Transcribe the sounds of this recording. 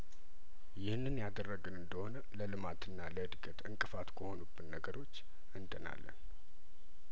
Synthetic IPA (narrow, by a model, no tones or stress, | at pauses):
jɪhnːɨnjad̪ərːəɡɨnɨnd̪əho̞nələlɨmat̪ɨnːaləɨd̪ɡʼət̪ɨŋkʼɨfat̪kʰəho̞nubːɨnːəɡəɾo̞t͡ʃː | ɨnd̪əna̰lːə̰n